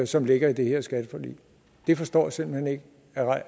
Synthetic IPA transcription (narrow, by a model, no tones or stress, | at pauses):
sɒ̽mle̝ɡ̥ɐid̥e̝heɐ̰sɡ̥æd̥əfɒly̰ː | d̥e̝fɒ̽sd̥ɒ̰ːse̝mb̥l̩hene̝ɡ̥ə | æʁɑ̈ɪ̰